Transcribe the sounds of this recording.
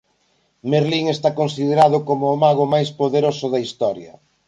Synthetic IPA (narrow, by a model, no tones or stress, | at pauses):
meɾliŋest̪akonsiðeɾaðʊkomʊːmaɣʊmajspoðeɾosʊðɐist̪ɔɾjɐ̰